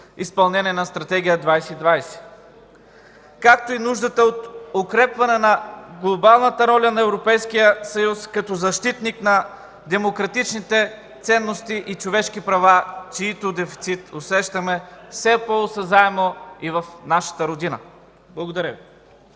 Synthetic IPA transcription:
ispɐlˠnɛniɛnɐst̪ɾɐt̪ɛɡ̟ʲijəd̪vajsɛid̪vajsɛ̥ | kakt̪oinuʒd̪ət̪əot̪okɾɛpvɐnɛnɐɡlˠobalˠnɐt̪əɾɔlʲɐnɐɛvɾopɛjsk̟ijəsɐjuskɐt̪ɔzɐʃt̪it̪niknɐ | d̪ɛmokɾɐt̪it͡ʃnit̪ɛ | t̪sɛnːost̪iʔit͡ʃovɛʃk̟ipɾɐvat͡ʃiːt̪od̪ɛfi̥t̪sit̪osɛʃt̪ɐmɛsɛposɐzaɛmoivɐfnaʃɐ̥t̪əɾod̪inə | blˠɐɡod̪ɐɾʲəvi

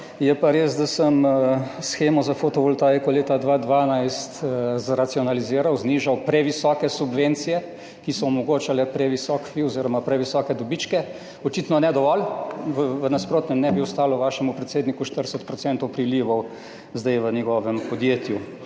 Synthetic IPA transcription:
jɛpaɾeːzd̪asəmsxeːmɔzafot̪ɔʋɔlt̪ajɛkɔleːt̪ad̪ʋad̪ʋaːnajst̪zɾat̪siɔnaliziːɾawzniːʒawpɾɛʋisɔːkɛsubʋent̪sijɛ | kisɔːmɔɡoːt͡ʃalɛpɾɛʋisɔkfiɔziːɾɔmapɾɛʋisɔːkɛd̪ɔbiːt͡ʃkɛ | ɔt͡ʃiːt̪nɔnɛd̪ɔʋɔlʋəʋənaspɾoːt̪nɛmnɛbiɔst̪aːlɔʋaːʃɛmupɾɛt̪seːd̪nikuʃt̪əɾsət̪pɾɔt̪sɛnt̪ɔwpɾiliːʋɔw | zd̪ajʋənjɛɡɔːʋɛmpɔd̪jeːt̪ju

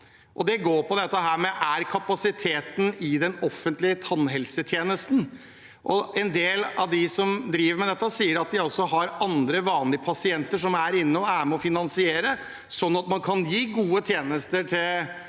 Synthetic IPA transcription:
ʔɔd̪ɛɡoːɾpʰɔd̪ɛt̪ːəɦæːɾmɛʔæɾkʰɑpɑsɪt̪ʰeːt̪n̩ɪd̪ɛnɔfːənt̪lɪət̪ʰɑnːɦɛlsət̪ʰjeːnəst̪n̩ | ʔɔɛnd̪eːlɑʋd̪ɪsɔmd̪ɾiːʋəɾmɛd̪ɛt̪ːəsiːəɾɑt̪̚d̪ɪɔlsɔɦɑɾɑnd̪ɾəʋɑːnlɪəpʰɑsɪɛnt̪əʂɔmæɾɪnːəɔæːəməɔfɪnɑnsɪeːɾə | sɔnːɑt̪mɑnkʰɑnjiːɡuːət̪ʰjeːnəst̪əʈʰɪl

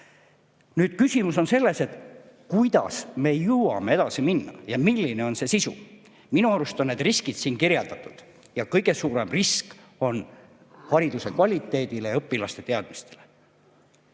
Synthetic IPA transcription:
nyːd̪̥kysʲimuso̞nse̞lːe̞se̞t̪ˑ | kujd̪̥ɑ̰sme̞juwɑ̰me̞ed̪̥ɑsiminːɑ̰jɑmilʲːine̞o̞nse̞sisṵ | minuɑɾust̪o̞nːe̞d̪̥riskid̪̥siːnkirjɑld̪ɑt̪ːˑud̪̥ | jɑkɤjɡ̥e̞suːɾe̞mrisk | o̞n | hɑɾid̪use̞kvɑlʲit̪ːˑe̞ːd̪̥ilejɤpːˑilɑst̪e̞t̪e̞ɑd̪̥mist̪e̞̥le̞

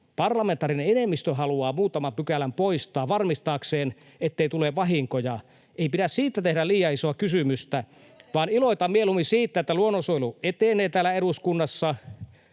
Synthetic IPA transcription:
pɑrlɑment̪ːˑɑːrineenemːist̪øɦɑluɑːmuːt̪ɑmɑmpykælæmpoist̪ˑɑːʋʋɑrmist̪ɑːkseːn | et̪ːeit̪uleʋɑɦiŋkojɑ | eipiɾæssiːt̪ːæt̪ehɾæliːjˑɑisoɑkysymyst̪æ | ʋɑːniloit̪ɑmmielumisiːt̪ːæet̪ːæluonːosoiluʔet̪enˑeːt̪æːlæeɾuskunːɑsːɑ

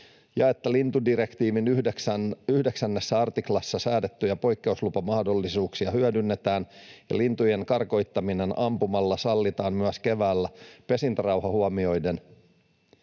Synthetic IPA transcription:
jɑe̞t̪ːælint̪udire̞kt̪iːʋinyheksyhdeksænːesːæɑrt̪iklɑsːɑsæːde̞t̪ːyjɑpo̞jkːe̞uslupɑmɑhdo̞lːisuːksiɑhyædynːe̞t̪æːnjɑ̰lint̪ujeŋkɑrko̞jt̪ːɑmine̞nʔɑmpumɑlːɑsɑlːit̪ɑːmmyæske̞ʋæːlːæpe̞sint̪ɑrɑwhɑhuɑmio̞jden

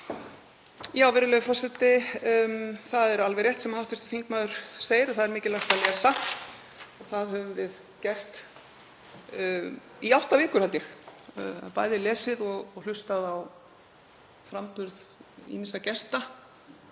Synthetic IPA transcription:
jaːwvɪɾɪlœɣʏfɔsɛt̪ɪ | θaðɛɾalvɛɾrjɛht̪sɛmahaw̥ht̪vɪ̥st̪ʏ̥θiŋkmaːðʏɾ̥seːjɪɾaθaðɛɾmɪːcɪlaht̪alɛːsa | ɔɣθaðhœvʏmvɪð | cɛr̥t̪ | iawht̪avɪːkʏɾ̥halt̪jɛx | a̰paːjðɪlɛːsɪðɔɣɔɣl̥ʏst̪aðaw | fɾampʏɾð | ḭnisacɛst̪a

